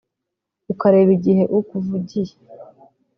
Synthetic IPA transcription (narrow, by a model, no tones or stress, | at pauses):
ukaɾeːβiɟihe̞ʔukuvuɟije